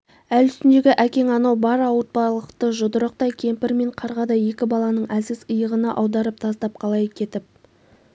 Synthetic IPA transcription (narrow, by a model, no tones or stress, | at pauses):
ælʏst̪ɪnd̪e̞ɡʲɪʔækʲe̞ŋɑnɑwbɑɾɑwət̪̚pɑlˠəqt̪əʒʊd̪əɾəq̚t̪ɑjkʲʰe̞mpɪɾme̞ɴqʰɑɾʁɑd̪ɑje̞kʲɪbɑlˠɑnəɴʔæsɪzəjəʁənɑʔɑwd̪ɑɾəp̚t̪ʰɑst̪ɑp̚qʰɑlˠɑjkʲʰe̞t̪ɪp̚